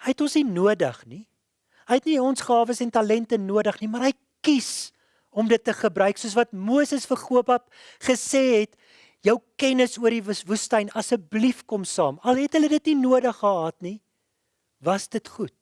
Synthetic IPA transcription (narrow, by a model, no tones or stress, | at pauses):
həjɛtɔnsninuədəχni | ɦəjɛtniɔnsχɑːvəsɛntɐlɛntənuədəχnimɑɾɦəj | kis | ɔmdətːəχəbrœɥksuəs̬vɐtmuəsəsfərχuəpɐp̚ | χəseːɦɛt | jəwkɛnəsuəɾivvustɐjnɐsəblifkɔmsɑːmɐlɦɛtɦələdətninuədəχːəɦɑːtni | vɐsdətχut̚